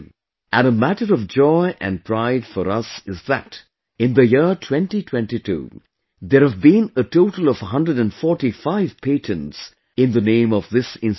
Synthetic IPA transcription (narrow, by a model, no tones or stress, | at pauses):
ʔæ̃ɾəmæʈəɾʌvd͡ʒɔɪʔɨ̰̃n̚pʰɹaɪdfəɾʌsɪzðæ̰t | ɪ̃nðəjɪɹtʰw̥ɛ̃ntitʰw̥ɛ̃ntitʰṵː | ðəɾhəvbĩnətʰoʊʈəl̩ˠʌv̥ɦʌ̃ndɹədɨ̃nfɔɹʈifaɪv̥pʰeɪtʰə̃ns | ɪ̃nðənẽɪ̃mʌvðɪsɪ̃ns